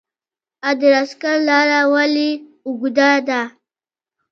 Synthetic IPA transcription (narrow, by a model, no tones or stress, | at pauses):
ad̪əɾaskaɾlaɾawali | uɡud̪ad̪a